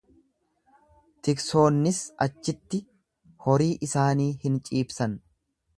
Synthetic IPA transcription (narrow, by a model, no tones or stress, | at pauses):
t̪ɪkso̞ːnːɪsɐt͡ʃːɪt̪ːɪ | hɔɾiːʔɪsaːniːhɪnt͡ʃʼiːbsɐn